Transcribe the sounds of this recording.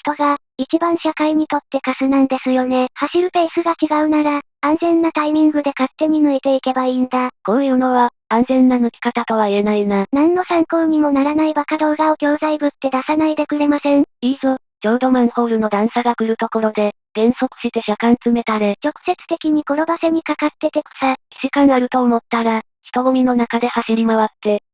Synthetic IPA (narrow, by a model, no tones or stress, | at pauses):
ç̥t̪o̞ɡa | it͡ɕibãɰ̃ɕakaiɲ̟it̪o̞t̪ːe̞kasɨnãnd̪e̞sɨjo̞ne̞haɕiɾɯ̟pe̞ːsɨɡakʲiɡaɯ̟naɾa | ãnzẽ̞nːat̪aimʲĩŋɡɯ̟d̪e̞kat̪ːe̞ɲ̟inɯ̟it̪e̞ike̞baiːnd̪akonjɯno̞βa | ãnzẽ̞nːanɯ̟kʲi̥kat̪at̪o̞β̞aie̞nainanãnːo̞sãŋko̞ːɲ̟imo̞naɾanaibakad̪o̞ːɡaokʲo̞ːzaibɯ̟t̪ːe̞d̪asanaid̪e̞kɯ̟ɾe̞masẽ̞ɴiːzo̞ | d͡ʑo̞ːd̪o̞mãɴho̞ːɾɯ̟no̞d̪ãɰ̃saɡakɯ̟ɾɯ̟t̪o̞ko̞ɾo̞d̪e̞ | ɡ̥ẽ̞ɰ̃so̞kɯ̟̥ɕit̪e̞ɕakãnt͡sɨme̞t̪aɾe̞t͡ɕo̞kɯ̟̥se̞t͡sɨ̥t̪e̞kʲiɲ̟iko̞ɾo̞base̞ɲ̟ikakat̪ːe̞t̪e̞ko̥saiʑikãɰaɾɯ̟t̪o̞ːmo̞t̪ːaɾa | çi̥t̪o̞ɡomʲino̞nakad̪e̞haɕiɾʲimaβat̪ːe̞